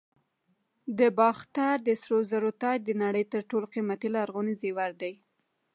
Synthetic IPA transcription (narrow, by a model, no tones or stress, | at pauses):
d̪əbɑxt̪aɾd̪əsɾozaɾot̪ɑjd̪ənaɽəjt̪əɾʈoloqimat̪ilaːɾɣonizewaɾd̪aj